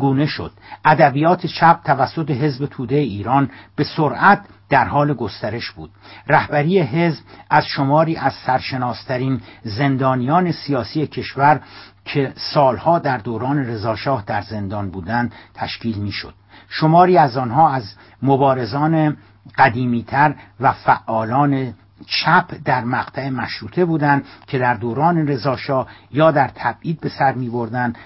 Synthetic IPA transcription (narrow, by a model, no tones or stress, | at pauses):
ɡuːne̞ʃo̰d̪̥ʔæd̪æbijɒːt̪ʰet͡ʃʰæb̚t̪ʰævæsːot̪eɦe̞zbe̞t̪ʰuːd̪ejeiːɾɒːnb̥e̞soɾʔæt̪̚d̪̥æɾhɒːle̞ɡo̞st̪æɾe̞ʃb̥uːd̪̥ræhbæɾiːeɦe̞zbæz̥ʃomɒːɾiːʔæz̥sæɾʃe̞nɒːst̪ʰæɾiːnze̞nd̪ɒːnijɒːne̞sijɒːsiːje̞cʰe̞ʃvæɾ | cʰe̞sɒːlhɒːd̪æɾd̪oːɾɒːne̞ɾe̞zɒːʃɒːhd̪æɾze̞nd̪ɒːnbuːd̪ænd̪̥t̪ʰæʃciːlmiːʃo̰d̪̥̚ | ʃo̞mɒːɾiːæzɒːnɦɒːæz | mobɒːɾe̞zɒːne | ɢ̥æd̪iːmiːt̪ʰæɾvæfæʔːɒːlɒːne̞ | t͡ʃʰæpʰd̪æɾmæqt̪ʰæemæʃɾuːt̪ʰe̞buːd̪ænd̪cʰe̞d̪æɾd̪oːɾɒːne̞ɾe̞zɒːʃɒːhjɒːd̪æɾt̪ʰæbʔiːd̪̚be̞sæɾmiːbo̞ɾd̪ænd̪